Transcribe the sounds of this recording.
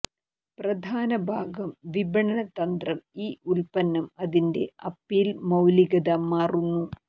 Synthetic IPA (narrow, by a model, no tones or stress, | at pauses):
prɐd̪ʱaːnɐbʱaːɡɐmʋibɐɳɐnɐt̪ɐnd̪rɐmiːulpɐnːɐmɐðinde̞̰ɐpːiːlmɐwliɡɐd̪ɐmaːrunːu